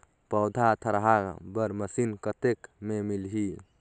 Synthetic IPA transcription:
pəwd̪ʱat̪ʰəɾɦabəɾməsinkət̪ekmemilɦi

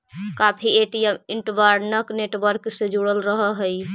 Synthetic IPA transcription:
kapʰieʈijemiɳʈʋaɾnəkneʈʋəɾksed͡ʒuɽəlɾəɦəɦəj

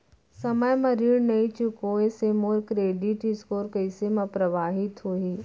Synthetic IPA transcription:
sɐməjmɐɾiːɽnɐit͡ʃʊkoesemoːɾkɾeːɖɪʈɪskoːɾkɐɪsemɐ̃pɾɐʋaːɦɪt̪ɦoːɦiː

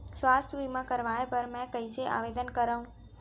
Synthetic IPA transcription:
sʋast̪ʰʋimãkəɾʋaepəɾmɛ̃kəijseʔa̰ʋed̪ənkəɾaũ

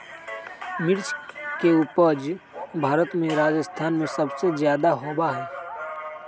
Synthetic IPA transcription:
mɪɾt͡ʃkeuːpəɾd͡ʒbʱaːɾət̪mẽɾaːd͡ʒəst̪ʰaːnmẽsɐbsezjaːd̪aɦoːbaɦɛː

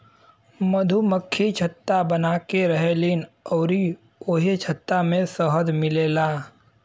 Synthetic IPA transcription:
məd̪ʱuməkʰːit͡ʃʰət̪ːabənakeɾəɦelinɔːɾi | oːɦet͡ʃʰət̪ːamẽsəɦəd̪mɪleːlaː

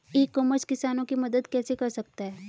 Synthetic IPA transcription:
ekːoməskɪsaːnõkimɐd̪əd̪kɛːsekɐɾsɐk̚t̪aɦɛː

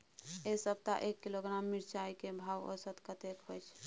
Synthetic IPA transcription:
esəb̚t̪a̰ʔekːiloɡɾamːiɾt͡ʃaikebʱawo̰sət̪kət̪ekɦojt͡ʃʰ

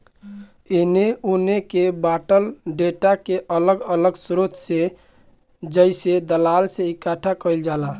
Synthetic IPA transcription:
eneonekebaʈəlɖeʈakeʔələɡələɡsɾot̪sẽ | d͡ʒəɪsed̪əlalseikaʈʰakəɪld͡ʒala

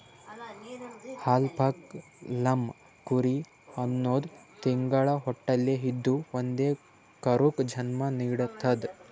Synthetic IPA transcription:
haːlpʰɐk | lɐm | kuɾi | ɐnːoːd̪t̪iŋɡɐɭɐɦɔʈːɐljeɦid̪ːuʋond̪eː | kɐɾukd͡ʒʱɐnmɐniːɽɐt̪ʰːɐd̪

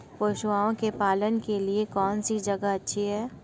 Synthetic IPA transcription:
poːʃʋaːõkepaːlənkeliekɔːnsid͡ʒɐɡaɐtːʃʰiɦɛː

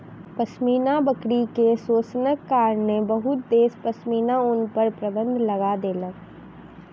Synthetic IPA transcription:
pɐsmiːnabəkɽikesoːsnəkːaːɾnebɐɦʊt̪̚d̪eːspɐsmiːnaʊnpəɾpɾɐbə̃nd̪ʱlɐɡad̪eːlək

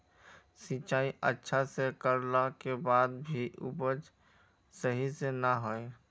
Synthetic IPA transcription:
sit͡ʃaːiə̰tːʃʰasekəɾlakebaːd̪bʱiʔʊ̰bəd͡ʒ | səɦisenəɦoːe

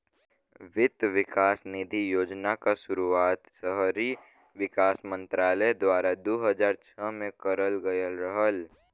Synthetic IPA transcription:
ʋɪd̪ʋɪkaːsnɪd̪ʱijoːd͡ʒnakasʊɾuaːt̪səɦɾi | ʋɪkaːsmə̃nt̪ɾaːləd̪waːɾad̪oːɦəd͡ʒaːɾt͡ʃʰəmẽkəɾəlɡəjəlɾəɦəl

